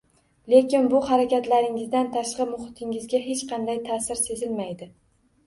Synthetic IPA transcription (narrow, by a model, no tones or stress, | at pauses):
le̞kʲɪnbʊhaɾakʲat̪laɾɪŋɪzd̪ant̪ʰaʃqɨmʊχɪt̪ʰɪŋɪzɡʲaɦe̞t͡ʃqʰɑnd̪ajt̪ʰasɪɾse̞zɪlmajd̪ɪ